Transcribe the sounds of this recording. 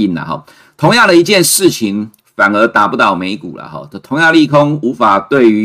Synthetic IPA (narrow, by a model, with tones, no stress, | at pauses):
i˥˩nlɐ̰˨˩ɦɔ̰˨˩ | t̪ʰʊ˧˥ŋjɑ˥˩ŋd̪ə˨i˧˥t͡ɕjɛ˥˧nʂɻ̩˥˩t͡ɕʰi˧˦ŋ | fa˨˩nə˞˧˥t̪a˨˩pu˧˥˩t̪ɑ˥˩ʊme˧˥ɪkṵ˨˩lɐ̰˨xɔ̰˥˩t̪ʰʊ˧˥ŋjɑ˥˩˧ŋli˥˧kʰo˦ŋu˧˥fa˨˩t̪we˥˩ɪy˧˦